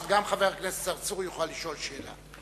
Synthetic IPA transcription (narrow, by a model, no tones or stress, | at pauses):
vɡamχaveʁknest͡saʁt͡suʁjuχolaliʃo̞lʃeːla̰